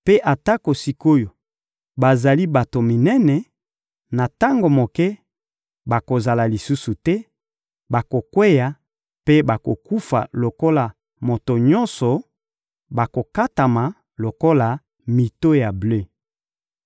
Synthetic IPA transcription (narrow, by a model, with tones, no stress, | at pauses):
pe˦ʔa˨ta˦ko˨si˦ko˦jo˨ | ba˨za˨li˦ba˨to˨mi˨nɛ˦nɛ˨ | na˨ta˦ŋɡo˨mo˨kɛ˦ | ba˨ko˨za˨la˨li˨su˦su˨tɛ˦ | ba˨ko˨kwe˦ja˨ | pe˦ba˨ko˨ku˦fa̰˨lo˨ko˦la˨ | mo˨to˨ɲɔ˦nsɔ˨ | ba˨ko˨ka˦ta˨ma˨ | lo˨ko˦la˨ | mi˨to˦ja˨ble˦